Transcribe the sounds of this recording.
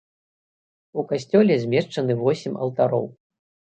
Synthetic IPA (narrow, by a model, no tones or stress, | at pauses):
ukasʲt͡sʲɔlʲɛzʲmʲɛʂt͡ʂɐnɨvɔsʲimʲɐ̰wt̪aɾɔ̰w